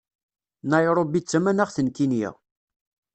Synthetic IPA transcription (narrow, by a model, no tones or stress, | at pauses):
næjɾˤobit͡sːæmænæʁθənkinjɪ̰